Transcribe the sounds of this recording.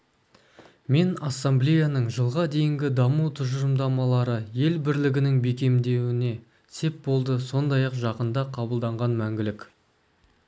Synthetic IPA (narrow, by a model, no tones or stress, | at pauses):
me̞nɑsːamblʲejanəɴʒəlˠʁɑd̪e̞jɪŋɡʲɪd̪ɑmuwt̪ʰʊʒəɾəmd̪ɑmɑlˠɑɾəje̞lbɪɾlɪɡʲɪnɪŋbe̞kʲe̞md̪e̞wɪne̞ | se̞p̚bo̞lˠd̪əso̞nd̪ɑjɑqʒɑqənd̪ɑqʰɑbəlˠd̪ɑɴʁɑnmæŋɡʲɪlɪkʲ